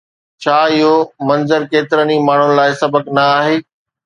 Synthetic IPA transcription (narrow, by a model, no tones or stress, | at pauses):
t͡ɕʰaːɪɦomɐ̃nzəɾkeːt̪ɪɾənimaːɳ̤ʊnɪ̆laːɪsɐbəknɐaːɦeː